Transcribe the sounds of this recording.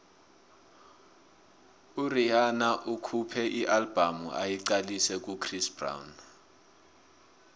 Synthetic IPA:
uriɦanaʔukʰupʰɛʔiʔalb̥ʱamuʔa̰jiǀalisɛk̬ʼukʰrisb̥ra̰wn

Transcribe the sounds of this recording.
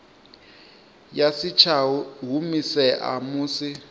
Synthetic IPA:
jasit͡ʃʰaɦumisɛʔa̰muːsi

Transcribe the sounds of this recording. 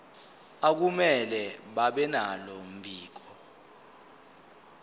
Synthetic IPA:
ak̬umɛlɛɓaɓɛnalɔm̩bʱiːk̬ɔ

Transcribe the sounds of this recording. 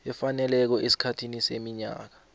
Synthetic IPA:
ɛfanɛlɛk̬ɔʔesi̥kʰatʰinisemiɲa̰ːk̬ḁ

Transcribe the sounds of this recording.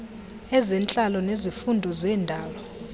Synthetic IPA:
ɛzɛnt͡ɬʼalɔnezifundʱɔzɛːndʱaːlɔ

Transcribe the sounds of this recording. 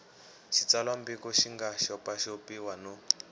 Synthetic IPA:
ʃit͡salwambikɔʃiŋɡaʃɔpaʃopiwanɔ

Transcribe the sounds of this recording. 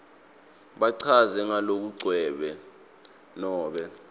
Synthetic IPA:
ɓaǀʰazɛŋalok̬uǀwɛːɓɛ | nɔːɓɛ

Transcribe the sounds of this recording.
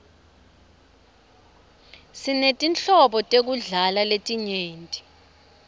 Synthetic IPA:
sinetʼint͡ɬɔɓɔtʼek̬uɮalaletʼiɲeːntʼi̥

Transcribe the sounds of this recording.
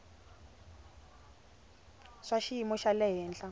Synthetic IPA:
ʂaʃiimɔʃalɛɦɛːnɬa

